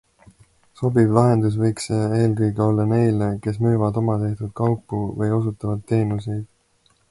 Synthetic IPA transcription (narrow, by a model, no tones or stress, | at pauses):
so̞bivlɑɦe̞nd̪us̬vɤjksee̞ːlkɤjɡeo̞lːɑne̞jleke̞smyːvɑd̪o̞mɑt̪e̞ht̪ud̪̥kɑwpːˑuvɤjo̞s̬ut̪ːˑɑvɑd̪ːe̞ːnuse̞jd̪̥